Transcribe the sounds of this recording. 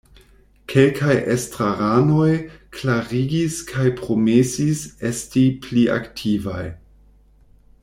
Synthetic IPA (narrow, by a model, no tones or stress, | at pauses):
kʰe̞lkʰajʔestɾaɾano̞jkʰlaɾiɡiskʰajpɾo̞mesise̞stipliʔa̰ktʰiva̰j